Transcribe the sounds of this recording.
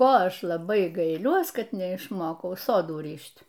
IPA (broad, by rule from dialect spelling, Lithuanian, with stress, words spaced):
ˈkoː ˈɐʃ lˠɐˈbɐɪ ɡɐɪˈlʲuɔs ˈkɐt nʲɛɪʃˈmoːkɐʊ ˈsoːduː ˈrʲiːʃʲtʲ